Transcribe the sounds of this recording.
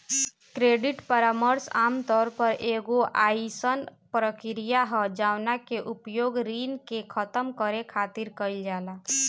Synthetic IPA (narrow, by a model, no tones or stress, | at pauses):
kɾeɖiʈpəɾaməɾsa̰mt̪ɔːɾpəɾʔeɡoʔaisənpɾəkɾijaɦɔd͡ʒanakeʔupjoɡɾinkekʰət̪əmkəɾekʰat̪iɾkəɪld͡ʒala